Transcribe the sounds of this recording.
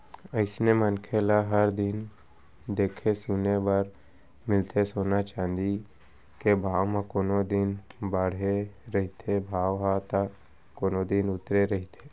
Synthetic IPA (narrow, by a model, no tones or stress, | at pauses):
əɪsnemənkʰelaɦəɾd̪ɪn | d̪eːkʰesunebaɾ | mɪlt̪ʰesoːnat͡ʃãːnd̪i | kebʱaːʋmãkoːnod̪ɪnbaɽ̤eɾɐɦit̪ʰebʱaːʋɦaːt̪a | koːnod̪ɪnʊt̪ɾeɾɐɦit̪ʰe̥ː